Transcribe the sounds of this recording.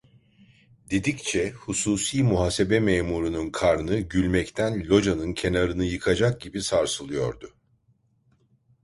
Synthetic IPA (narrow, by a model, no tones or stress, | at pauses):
d̪e̞d̪ict͡ʃʰɛhusuːsiːmuɦaːse̞bɛmɛːmuɾununkʰaɾnɯɟylʲmɛct̪ʰænlʲo̞d͡ʒanɯncʰe̞naɾɯnɯjɯkʰad͡ʒak̚ɟibisaɾsɯlˠɯjo̞̰ɾd̪ʊ